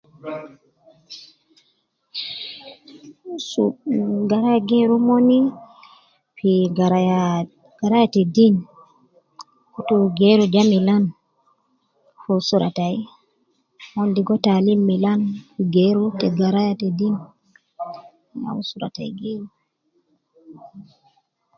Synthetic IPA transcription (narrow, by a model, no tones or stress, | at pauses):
suɡaɾajaɡeɾumoni | fiɡaɾ | ɡ̥aɾajatɛdin | kutuɡeɾud͡ʒamilan | fusuɾa̰taj | mondiɡɔtalimːilanfiɡeɾutɛɡaɾajatɛdin | na̰usuɾa̰ta̰jɡeɾu